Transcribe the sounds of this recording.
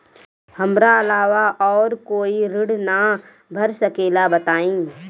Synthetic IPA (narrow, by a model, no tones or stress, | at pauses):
hɐmɾaɐlaːʋaʔɔːɾkoːiɾɪɽna | bʱəɾsəkeːlabət̪aːĩː